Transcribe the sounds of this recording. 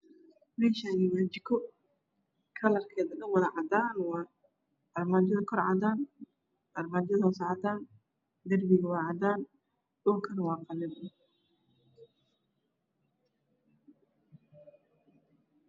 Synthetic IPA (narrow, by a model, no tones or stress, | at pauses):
mɛːʃaːnɪmaːt͡ʃɪkʰɔ | kʰɐlɐrkʰɛːdɐnɐwɐðɐʕɑd̪aːnwɑː | ɐrmaːd͡ʒɐðɐkʰɔɾʕɑ̰d̪aːn | ʔɐrmaːd͡ʒɐðɐsʕɑd̪aːn | d̪ɐrbɪɣɐwɑːʕɑd̪aːn | ɗʊŋkʰɐnwɑːqɑlɛdɪ